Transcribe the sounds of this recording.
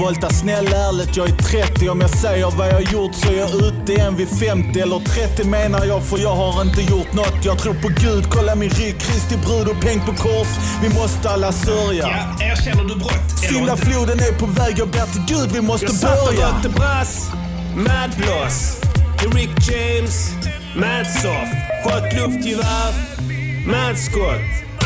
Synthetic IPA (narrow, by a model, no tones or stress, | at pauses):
ɔlt̪asnɛlːæːɾɭɪt̪jɑːɡæt̪ʰɾɛt̪ːɪɔmjɑsɛjːəɾvajɑhajʊɾt̪sɔæɾjɑʉ̟ːt̪əɛnvɪfɛmt̪ɪɛlːəɾt̪ʰɾɛt̪ːɪmeːnaɾjɑːɡfœɾjɑːɡhaɾɪnt̪əjʊɾʈ̪nɔt̪ːjɑːɡ̚t̪ʰɾuːɾpʰɔɡʉ̟ːd̪kʰɔlːamɪnɾʏkʰːɾɪst̪ɪbɾʉ̟ːd̪ɔpʰɛŋ̚pʰɔkʰɔɾʂ | vɪmɔst̪əalːasœɾja | æʃɛnːədʉbɾɔt̪ːsʏnd̪afluːd̪ənæɾpʰɔvɛːɡavbɛt̪ːəɡʉ̟ːd̪vɪmɔst̪əbœɾjt̪ːəbɾas | mæd̪blɔs | ɾɪkd͡ʒeɪms | mænsɔfhɔt̪lɵft̪ʰɪvaɾ | mæd̪skɔt̪